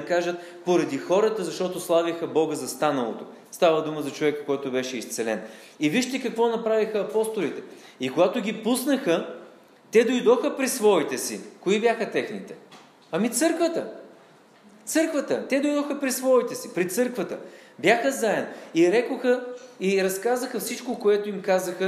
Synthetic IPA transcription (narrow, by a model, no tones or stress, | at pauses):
kaʒət̪ | poɾɐd̪ixɔɾət̪əzɐʃt̪ɔt̪oslˠavixəbɔɡəzɐst̪anəlˠo̰t̪o | st̪avəd̪uməzɐt͡ʃovɛkkːɔjt̪ʊbɛʃɛist̪sɛlɛn | iviʃt̪ɛkɐkvɔnɐpɾavixəːpɔst̪olit̪ɛ | ikoɡat̪ʊɡʲipusnəxə | t̪ɛd̪ojd̪ɔxəpɾisvɔit̪ɛsḭkoibjaxət̪ɛxnit̪ɛ | ɐmit̪sɤɾkvət̪ə | t̪sɤɾkvət̪ət̪ɛd̪ojd̪ɔxəpɾisvɔit̪ɛsipɾit̪sɤɾkvət̪ə | bjaxəzaɛniɾɛkoxəiɾɐskazəxəfsit͡ʃkokoɛt̪oimkazəxə